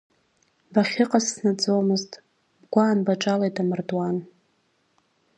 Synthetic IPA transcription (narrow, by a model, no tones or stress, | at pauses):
baχʲɪqʼasːnat͡sʼomɨztʼ | bɡʷaːnbaʈ͡ʂʼalajtʼamɨrdwan